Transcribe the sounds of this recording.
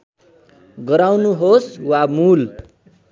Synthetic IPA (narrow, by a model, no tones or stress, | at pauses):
ɡʌɾawnuɦoswamul